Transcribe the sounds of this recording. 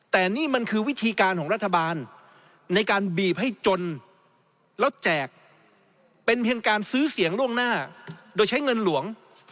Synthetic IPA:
t̪ɛː˨˩niː˥˩ma˧nkʰɯː˧wi˦˥t̪ʰiː˧kaː˧nkʰɔː˩˦ɾt̪ʰːa˧baː˧nː | a˧jkaː˧nbiː˨˩p̚ha˥˩jt͡ɕo˧n | lɛ˦˥˩t͡ɕɛː˨˩k̚ | pe˧npʰi˧ənkaː˧nsɯː˦˥si˨˩˦əŋlu˥˩əŋnaː˥˩doː˧jt͡ɕʰa˦˥jŋɤ˧nlu˩˦əŋ

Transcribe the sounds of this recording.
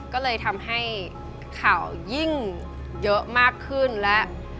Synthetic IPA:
kɔ˨˦lə˨˩jt̪ʰa˨˩mha˧j | xaː˧˩wzi˧ŋ | zəː˨˦maː˧khɨ˧ənlaː˨˩

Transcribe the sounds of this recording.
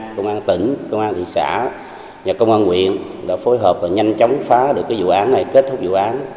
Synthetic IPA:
kə˧wŋ͡mʔaː˧nt̪i˧˩ŋkə˧wŋ͡mʔaː˧nt̪ʰḭ˧˨sa̰ː˧˩˨ | ɲaː˨˩kə˧wŋ͡mʔaː˧nŋwḭ˧˨ənɗa̰ː˧˥fo˨˦jɦəː˨˩p̚vaː˨˩ɲa˧jŋt͡ɕɔ˨˦wŋ͡mfaː˨˦ɗɨ˨˩əkːaː˨˦zṵ˧˨ʔaː˨˦nːa˨˩jke˦˥t̚t̪ʰʊ˦˥k͡p̚zṵ˧˨ʔaː˨˦n

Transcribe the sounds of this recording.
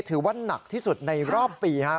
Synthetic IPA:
t̪ʰɯː˩˦wa˥˩nːa˨˩k̚t̪ʰiː˥˩su˨˩t̪̚na˧jɾɔː˥˩pːiː˧kʰa˦˥

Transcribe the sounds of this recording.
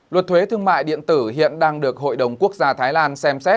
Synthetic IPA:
lwə˨˩t̚t̪ʰwe˨˦t̪ʰɨ˧əŋma̰ː˧˨jɗḭ˧˨ənt̪ɨ˧˩hḭ˧˨ənɗaː˧ŋɗɨ˨˩ək̚ho̰˧˨jɗə˨˩wŋ͡mku˦˥ək̚zaː˧t̪ʰaː˨˦jlaː˧nsɛ˧msɛ˦˥t̚

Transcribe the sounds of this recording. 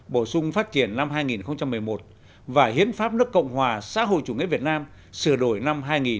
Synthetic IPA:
ɓo˧˩sʊ˧ŋ͡mfaː˦˥t̚t͡ɕi˧˩ənːa˧mɦaː˧jŋi˨˩nxə˧wŋ͡mt͡ɕa˧mːɨ˨˩əjmo˨˩t̚ | vaː˨˩hḭ˧˥ənfaː˦˥p̚nɨ˦˥əkːə̰˧˨wŋ͡mɦwaː˨˩sa̰ː˧˥ɦo̰˧˨jt͡ɕu˧˩ŋḭ˧˥vi˨˩ət̚naː˧m | sɨ˧˩əɗo˧˩jna˧mɦaː˧jŋi˨˩

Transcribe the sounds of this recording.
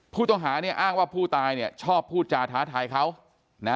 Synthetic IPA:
pʰuː˥˩t̪ɔ˥˩ŋɦaː˩˦ni˥˩ɐʔaː˥˩ŋwaː˥˩pʰuː˥˩t̪aː˧jni˥˩ɐt͡ɕʰɔː˥˩pʰːuː˥˩t̪̚t͡ɕaː˧t̪ʰaː˩˦˥t̪ʰaː˧jkʰa˦˥w | na˦˥

